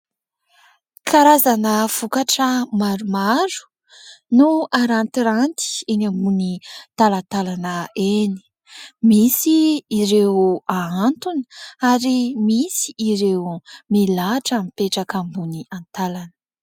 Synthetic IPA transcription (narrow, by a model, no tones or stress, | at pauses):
kʰaɾazanəv̥ukaʈ͡ʂəmaɾumaɾu̥ | nuaɾant̪iɾant̪i̥enambunit̪alat̪alanəeni̥ | misiːɾeaant̪uni̥aɾimisi̥ːɾewmelaʈ͡ʂamipeʈ͡ʂakambuniant̪alanə̥